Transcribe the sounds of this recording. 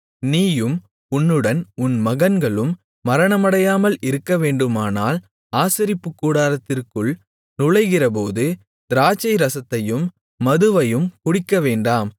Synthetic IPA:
niːjɯm | ʊnːɯɽɐnʊnmɐɣɐnɡɐɭɯmː | ɐɾɐɳɐmɐɽɐjaːmɐlʔɪɾɯkːɐʋeːɳɖɯmaːnaːl | aːsɪɾɪpːɯkːuːɽaːɾɐt̪ːɪrkɯɭ | nʊɻɐɪɣɪrɐp̬oːðɯ | d̪ɪɾaːt͡ʃːɐɪɾɐsɐt̪ːɐjɯmː | ɐðɯʋɐjɯmkʊɽɪkːɐʋeːɳɖaːm

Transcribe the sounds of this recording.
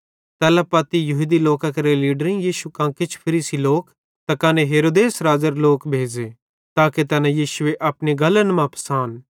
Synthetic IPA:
t̪ɛːlɐpaːt̪ijɐɦud̪iloːkakɐɾeliːɖəɾĩjiːʃukãːkɪt͡ʃʰpʰɐɾiːsiloːk | t̪akaːneɦeːɾoːd̪eːsɾaːzəɾloːkbʱeːd͡ʒe | t̪aːket̪ɛːnãjiːʃʊeʔɐpniɡɐlənmãpʰɐ̥saːn

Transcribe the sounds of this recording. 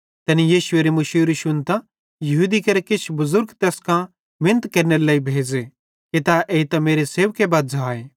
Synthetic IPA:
t̪ɛːnijiːʃʊeːɾemʊʃiːɾiʃʊnt̪ã | jɐɦuːd̪ikɐɾekɪt͡ʃʰbʊzʊɾɡt̪ɛːskã | mɪnət̪kɐɾneɾlaːibʱeːd͡ʒe | ket̪aʔeːt̪ɐmeːɾeseːʋkebaːd̪̚zaːeː

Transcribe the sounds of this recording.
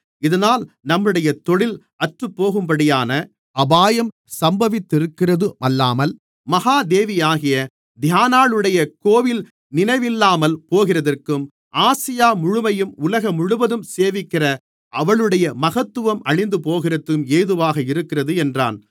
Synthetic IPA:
ɪðɐnaːlnɐmːɯɽɐjɐt̪ɔɭɪl | ɐʈrɯpːoːɣɯmbɐɽɪjaːnɐ | ɐbaːjɐm | sɐmbɐʋɪt̪ːɪɾɯkːɪrɐðɯmʔɐlːaːmɐl | mɐɣaːd̪eːʋɪjaːɣɪjɐ | d̪ʱɪjaːnaːɭɯɽɐjɐkoːʋɪl | nɪnɐɪʋɪlːaːmɐlpoːɣɪrɐðɐrkɯm | ʔaːsɪjaːmʊɻʊmɐjɯmʊlɐɣɐmʊɻʊʋɐðɯmseːʋɪkːɪrɐ | ʔɐʋɐɭɯɽɐjɐmɐɣɐt̪ːɯʋɐmɐɻɪnd̪ɯpoːɣɪrɐt̪ːɯmeːðɯʋaːɣɐɪɾɯkːɪrɐðɯɛndra̰ːn

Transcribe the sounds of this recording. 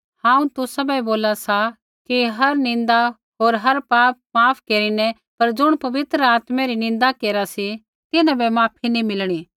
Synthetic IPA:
hãːũt̪ʊsabɐboːlasa | kiɦɐɾnɪ̃nd̪a | ɦoːɾɦɐɾpaːp̚maːpʰkeːɾinɛ | pɐɾd͡ʒʊɽ̃pɐʋɪt̪ɾəaːt̪mɛ̃ɾinɪ̃nd̪akeːɾasi | t̪ɪnãbɛmaːpʰinimɪlɽ̃iː

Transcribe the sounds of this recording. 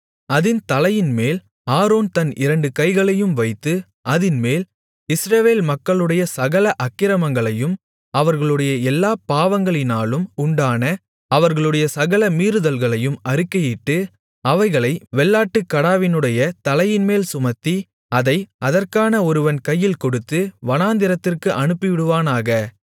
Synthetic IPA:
ɐðɪnt̪ɐlɐjɪnmeːl | aːɾoːnt̪ɐnɪ̰ɾɐɳɖɯkɐɪɣɐɭɐjɯmʋɐɪt̪ːɯ | ɐðɪnmeːl | ɪsɾɐʋeːlmɐkːɐɭɯɽɐjɐsɐɣɐlɐʔɐkːɪɾɐmɐŋɡɐɭɐjɯm | ɐʋɐɾɣɐɭɯɽɐjɐɛlːaːpaːʋɐŋɡɐɭɪnaːlɯmʊɳɖaːnɐ | ɐʋɐɾɣɐɭɯɽɐjɐsɐɣɐlɐmiːɾɯðɐlɣɐɭɐjɯmɐɾɯkːɐjiʈːɯ | ɐʋɐɪɣɐɭɐɪʋɛɭːaːʈːɯkːɐɽaːʋɪnɯɽɐjɐt̪ɐlɐjɪnmeːlsʊmɐt̪ːi | ɐðɐɪʔɐðɐrkaːnɐɔɾɯʋɐnkɐjːɪlkɔɽɯt̪ːɯʋɐnaːnd̪ɪɾɐt̪ːɪrkɯʔɐɳɯpːɪʋɪɽɯʋaːnaːɣɐ

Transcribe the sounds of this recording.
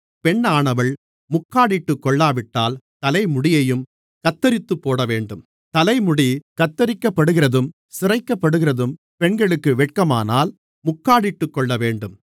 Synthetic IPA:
pɛɳːaːɳɐʋɐɭ | mʊkːaːɽɪʈːɯkːɔɭːaːʋɪʈːaːlt̪ɐlɐɪmʊɽɪjɐjɯm | kɐt̪ːɐɾɪt̪ːɯpːoːɽɐʋeːɳɖɯm | t̪ɐlɐɪmʊɽikɐt̪ːɐɾɪkːɐpːɐɽɯɣɪɾɐðɯm | sɪrɐɪkːɐpːɐɽɯɣɪrɐðɯm | pɛɳɡɐɭɯkːɯʋɛʈ̚kɐma̰ːnaːl | mʊkːaːɽɪʈːɯkːɔɭːɐʋeːɳɖɯm

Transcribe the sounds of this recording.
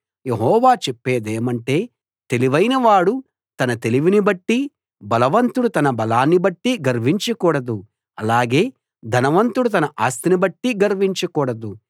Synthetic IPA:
je̞ɦɔːʋaːt͡ʃepːeːd̪eːmɐɳʈe̞ː | t̪e̞liʋɐjnɐʋaːɽu | t̪ɐnɐt̪e̞liʋinibɐʈːi | bɐlɐʋɐnt̪uɽut̪ɐnɐbɐlaːnːibɐʈːiɡɐɾʋiɲt͡ʃɐkuːɽɐd̪u | ɐlaːɡe̞ː | d̪ʱɐnɐʋɐnt̪uɽut̪ɐnɐʔaːst̪inibɐʈːiɡɐɾʋiɲt͡ʃɐkuːɽɐd̪u

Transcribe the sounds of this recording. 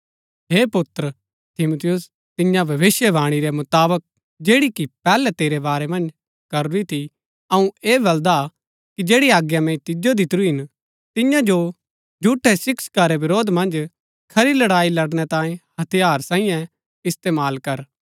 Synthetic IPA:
ɦeːpʊt̪ɾ | t̪ʰɪmut̪ʰɪjʊs | t̪ɪjãbʱɐʋɪʃjɛbʱaːɽ̃iɾɛmʊt̪aːbək̚ | d͡ʒeːɽikipɛːlɛt̪eːɾebaːɾɛmɐ̃nd͡ʒ | kɐɾɾit̪ʰi | ɐũeːbɐld̪a | kid͡ʒeːɽiaːɡjamɛ̃t̪ɪd͡ʒod̪it̪ɾuɦɪn | t̪ɪ̃jãd͡ʒo | d͡ʒʱuːʈʰːɛsɪkskaɾeʋɪɾoːd̪mɐ̃nd͡ʒ | kʰɐɾilɐɽaːilɐɽɽ̃ɛt̪ãːẽhɐt̪ʰijaːɾsãːĩjɛ̃ | ɪst̪eːmaːlkɐɾ

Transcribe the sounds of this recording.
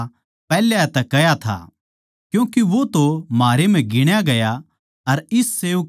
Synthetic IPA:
pɛːljaɛt̪ɛkːɐjat̪ʰa̰ | kjũːkiʋot̪omaːɾem̤ɛ̃ɡɪɽ̃jaɡɐja | ɐɾɪsːeːu

